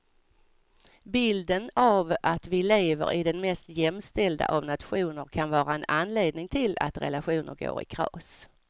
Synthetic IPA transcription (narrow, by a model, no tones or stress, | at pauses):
bɪld̪ənavʔat̪vɪleːvə̰ɾʔɪd̪ɛnmɛst̪jɛmst̪ɛld̪a̰ʔavnat̪ɧuːnəɾkʰanvɑːɾaɛnanleːd̪nɪŋt̪ʰɪla̰t̪ɾɛ̰laɧuːnəɾɡo̰ːɾɪ̰kʰɾɑ̰ːs